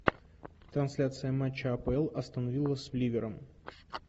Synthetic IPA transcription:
t̪ɾɐnsʲlʲat̪sɨjəmat͡ɕːɪɐpəɛlˠɐst̪ənɐvʲilˠəsʲvlʲivʲɪɾəm

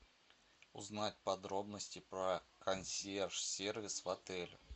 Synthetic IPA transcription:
ʊ̰znatʲpɐd̪ɾo̞bnəsʲtʲɪpɾəkʰɐnsʲerʂsʲervʲɪsvɐt̪ɛlʲʊ

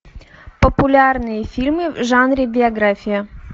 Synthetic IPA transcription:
pəpʊlʲarnɨjəfʲilʲmɨvʐanɾʲɪbʲɪɐɡɾafʲɪjɐ

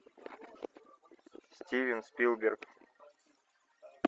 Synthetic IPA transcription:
sʲtʲivʲɪnspʲilˠbʲerk

